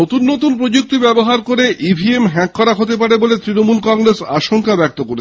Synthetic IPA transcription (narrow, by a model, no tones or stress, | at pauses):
ot̪unːot̪unpɾod͡ʑuk̚t̪ibɛboɦaɾkoɾeʔibʱiemɦɛkːɔɾaɦot̪ep̬aɾebolet̪ɾinomulkɔŋɡɾesaʃoŋkabɛk̚t̪okoɾe